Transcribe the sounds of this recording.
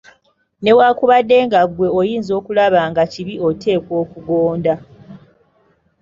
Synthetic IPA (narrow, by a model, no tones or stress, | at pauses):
ne̞wakuβadːe̞ːŋɡaɡwe̞ojiːnzo̞ːkulaβaŋɡaciβiʔotʰe̞ːkwo̞ːkuɡoːnda